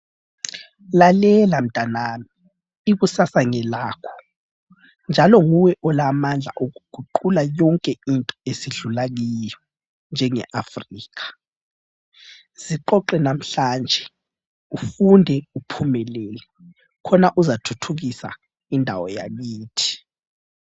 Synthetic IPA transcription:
lalɛlam̩d̥ʱanaːmiː | ɣusasaŋɛlaːkʰɔ̥ | nd͡ʒʱalɔŋuwɛʔɔlamand͡ɮʱa̰ʔoɣuɡ̥ʱuǃulajɔŋkʼɛintʼɔesiɮulaɣ̬ijɔ | nd͡ʒʱɛŋɛ̰ʔafriːkḁ | z̥iǃɔǃɛnam̩ɬand͡ʒʱɛ | ufundʱɛupʰumɛlɛːlɛ | kʰɔnaʔuzatʰutʰuɣ̬isa̰ | indʱawɔ̰ja̰ɓiːtʰi̥

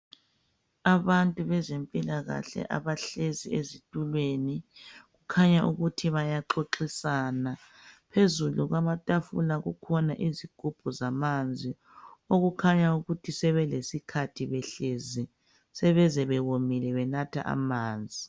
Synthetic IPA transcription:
aβantʼuβɛzempʼilaɣa̰ɬɛ̰ʔa̰βaɬeziezitʼulweniɣukʰaɲaʔuɣutʰiβajaǃoǃisana | pʰezuluɣwamatʼafulaɣukʰɔnaʔiziɡ̥ʱub̥ʱuzamand͡zʱi | oɣukʰaɲauɣutʰisɛβɛlesikʰatʰiβɛɬezi | sɛβɛzɛβɛɣomilɛβɛnatʰa̰ʔa̰maːnd͡zʱi

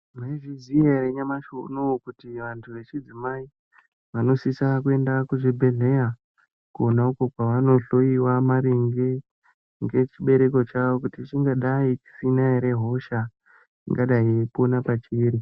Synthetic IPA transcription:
maiʐiziereɲamaʃo̰nokutiʋantʰuʋe̞t͡ʃid͡zimai | ʋano̞sisakue̞ndakuʐibʱe̞ɮe̞ja | kuonaokokwaʋano̞ɬo̞iwamaɾiŋɡe | ŋɡe̞t͡ʃiɓe̞ɾe̞ko̞t͡ʃaʋokutit͡ʃiŋɡaɗait͡ʃi̥sinaiɾe̞ɦo̞ʃa | ḭŋɡaɗaiepo̞napat͡ʃiːɾi

